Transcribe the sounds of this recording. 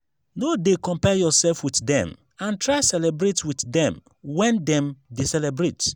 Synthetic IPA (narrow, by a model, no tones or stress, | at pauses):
nodekɔ̃mpɛjɔsɛlfwitdɛ̰̃m | ãntʰɹaɪsɛlɛbɹetwitdɛ̃m | wɛ̃ndɛ̃mdisɛlɛbɾet